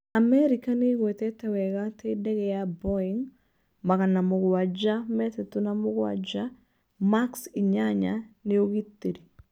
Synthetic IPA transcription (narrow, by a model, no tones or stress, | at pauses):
amɛɾikaneɣwɛt̪ɛtɛwɛɣatʰedɛɣɛjabɔiŋ | maɣanamoɣowad͡ʒamɛtɛtunamoɣowa̰d͡ʒa | maksiɲaɲa̰neoɣitːiɾi